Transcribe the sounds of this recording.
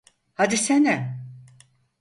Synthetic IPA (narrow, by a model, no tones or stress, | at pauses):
had̪isenɛ